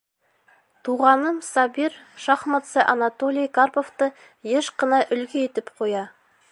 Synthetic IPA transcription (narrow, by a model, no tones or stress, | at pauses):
t̪ʰuʁɑnəmsɑbiɾʃɑχmɑt̪səʔanat̪o̞lijkʰarpo̞ft̪ə | jeʃqənɑʔʏlɡʲeet̪ɪpqʰo̞jɑ